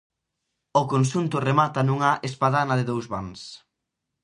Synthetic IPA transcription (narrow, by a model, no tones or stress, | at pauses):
ʊkonʃunt̪ʊremat̪ɐnuŋɐʔespaðanɐðɪðowzβans